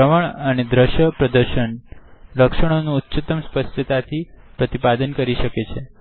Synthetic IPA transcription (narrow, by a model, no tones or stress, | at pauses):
əʋəɳəned̪ɾəʃjəpɾəd̪əɾʃənləkʃəɽ̃onũːt̪ːɕət̪əmspəsʈʰət̪at̪ʰipɾət̪ipad̪ənkəɾiʃəket͡ʃʰe